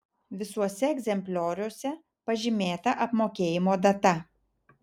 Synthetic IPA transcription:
ʋʲɪsuɔsʲɛɛɡʲzʲɛmʲpʲlʲoːɾʲuɔsʲɛ | pɐʒʲɪmʲeːt̪ɐʔɐpmoːkʲeːjɪmoːd̪ɐt̪ɐ

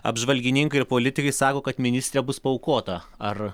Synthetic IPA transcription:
ɐ̰bʒʋɐlʲɡʲɪnʲɪŋkɐɪɪɾpoːlʲɪt̪ʲɪkɐɪsɑːkoːkɐt̪mʲɪnʲɪsʲt̪ʲɾʲɛbʊspɐʊkoːt̪ɐ | ɐr

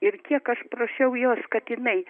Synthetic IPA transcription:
ɪɾkʲiɛkɐʃpɾoʃʲɛʊjoːskɐt̪jɪnɐɪ

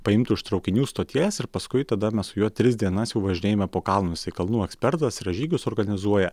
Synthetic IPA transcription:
pɐɪmt̪ʊɪʃt̪ɾɒʊkʲɪnʲuːst̪oːt̪ʲiɛsɪɾpɐskʊɪt̪ɐd̪ɐmʲɛssʊjuːt̪ʲɾʲɪsd̪ʲiɛnɐsjɛʊʋɐʒʲɪnʲeːjɛːmʲɛpoːkɑlˠnʊsʲɛɪkɐlˠnuːɛksʲpʲɛɾt̪ɐsɾɐʒʲiːɡʲʊsɔːɾɡɐnʲɪzuɔjɛ

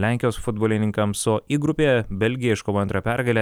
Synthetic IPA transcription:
lʲæˑŋʲkʲɪjoːsfʊd̪boːlʲɪnʲɪŋkɐmsʊʔiːɡɾʊpʲeːbʲɛlʲɡʲɪjɛɪʃkoːʋoːɛnt̪ɾɐpʲæɾɡɐlʲeː

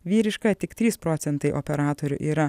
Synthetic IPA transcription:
ʋʲiːɾʲɪʃkɐt̪ʲɪkt̪ʲɾʲiːspɾoːt̪sʲɛnt̪ɐɪʔo̰pʲɛɾɑːt̪oːɾʲʊ̰ʔiːɾɐ

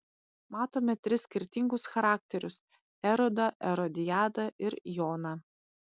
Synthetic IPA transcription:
mɑːt̪oːmʲɛt̪ʲɾʲɪsʲkʲɪɾʲt̪ʲɪŋɡʊsxɐɾɑːkt̪ʲɛɾʲʊs | ɛɾɔd̪ɐʔɛɾɔd̪ʲɪjɑːd̪ɐɪɾjɔoːnɐ

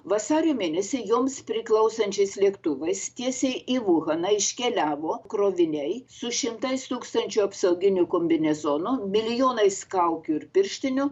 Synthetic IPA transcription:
ʋɐsɑːɾʲoːmʲeːnʲɛsʲɪjoːmspʲɾʲɪklˠɐʊsɐnʲt͡ʃʲɛɪslʲiɛkt̪ʊʋɐɪst̪ʲiɛsʲɛɪʔiʋʊɣɐnɐɪʃʲkʲɛlʲæːʋoːkɾoːʋʲɪnʲɛɪsʊʃʲɪmt̪ɐɪst̪uːkst̪ɐnʲt͡ʃʲuɐpsɐʊɡʲɪnʲʊkoːmʲbʲɪnʲɛzoːnʊmʲɪlʲɪjoːnɐɪskɐʊkʲʊɪɾpʲɪɾʲʃʲt̪ʲɪnʲʊ

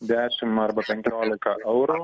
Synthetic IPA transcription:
d̪æːʃɪmːɐɾbɐpʲɛŋʲkʲoːlɪkɐʔɛwɾoː

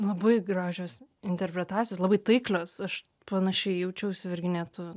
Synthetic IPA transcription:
lˠɐbɐɪɡɾɑːʒʲoːsɪnʲt̪ʲɛrʲpʲɾʲɛt̪ɑːt͡ssʲɪjoːslˠɑbɐɪt̪ɐɪklʲoːsɐʃ | pɐnɐʃʲɛɪjɛʊt͡ʃʲɛʊsʲʊʋʲɪrʲɡʲɪnʲɛːt̪ʊ

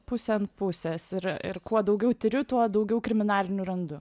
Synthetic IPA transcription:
pʊsʲɛnpʊsʲɛːsɪɾɪ̰ɾkuɔd̪ɐʊɡʲɛʊt̪ʲɪɾʲʊt̪uɔd̪ɐʊɡʲɛʊkɾʲɪmʲɪnɑːlʲɪnʲʊɾɐnd̪ʊ

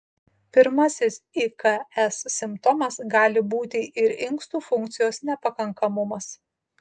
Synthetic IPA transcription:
pʲɪɾmɐsʲɪsikɐɛsːʲɪmpt̪ɔmɐsɡɑːlʲɪbuːt̪ʲɪʔɪɾɪŋˑkst̪uːfʊŋkt̪sʲɪjoːsnʲɛpɐkɐŋkɐmʊmɐs

